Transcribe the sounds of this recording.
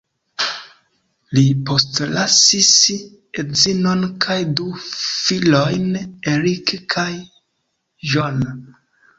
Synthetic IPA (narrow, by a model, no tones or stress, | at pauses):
lipo̞stlasis | ezino̞nkʰajdufilo̞jneɾikkʰaj | ʒon